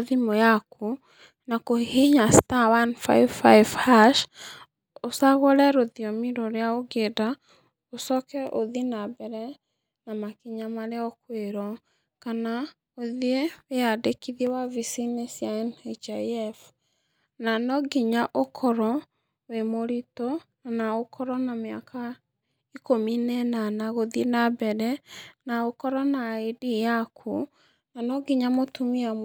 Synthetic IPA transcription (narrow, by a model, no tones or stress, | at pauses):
ðimojakʰu | nakoheɲastawanfa̰ifajvhaʃ | osaɣoɾɛɾoðiɔmiɾɔɾeaoɡeda | osɔkɛʔoðinabɛɾɛ | namakiɲamaɾeɔkweɾɔ | kana | oðieweadekiðiewavisinesjaɛnat͡ʃaɛf | nanɔɡiɲaʔokʰɔɾɔ | wemoɾitɔnanaokʰɔɾɔnameakʰa | ikominɛnanaɣoðienabɛɾɛnaokɔɾɔnaedijakʰu | nanɔɡiɲamotumia